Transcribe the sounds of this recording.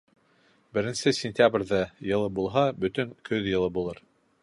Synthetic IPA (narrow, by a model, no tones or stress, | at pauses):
bɘ̆ɾɘ̆nsɘsʲɪnʲtʲjabrʲðɑjɤ̆lˠɤbulˠɦɑbɵ̆t̪ɵŋkʰɵðjɤ̆lˠɤbulˠɤɾ